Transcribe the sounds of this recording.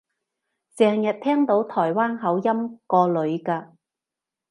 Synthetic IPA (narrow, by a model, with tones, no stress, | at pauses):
t͡sɛː˨˧ŋjɐ˨t̚t̪ʰɛː˥ŋt̪o˨˥wt̪ʰɔː˨˩jwaː˥nɦɐ˨˥wjɐ˥mkɔː˧lɵ˨˧ɥkaː˧